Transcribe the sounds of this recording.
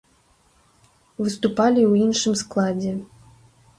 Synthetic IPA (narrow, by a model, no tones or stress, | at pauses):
vɨst̪upalʲiwinʂɨmsklˠad͡zʲɛ